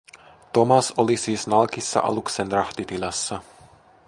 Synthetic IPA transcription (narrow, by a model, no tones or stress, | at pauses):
t̪ɔmasɔlisiːsnalkisa̰ʔa̰luksɛnd̪ɾaxt̪it̪ilasːa